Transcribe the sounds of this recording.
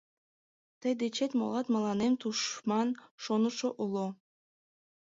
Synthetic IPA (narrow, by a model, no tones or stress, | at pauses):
t̪əjd̪et͡ɕet̪ʲmo̰lˠɑt̪mɑlˠɑnemt̪uʃmɑnʃonuʃoʔulˠo